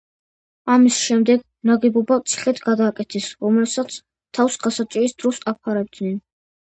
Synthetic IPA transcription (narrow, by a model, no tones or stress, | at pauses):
amisʃɛmd̪ɛɡ | naɡɛbɔbat̪sʰi̥χɛt̪ʰɡad̪aːkʼɛt̪ʰɛsɾɔmlɛbsat̪sʰ | t̪ʰafsɡasat͡ʃʼiɾisd̪ɾɔsapʰaɾɛb̚d̪nɛn